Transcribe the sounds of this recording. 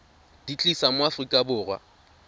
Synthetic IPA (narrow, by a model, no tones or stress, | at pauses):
d̥it͡ɬʼisamʊafrikʼabʊːrwa̰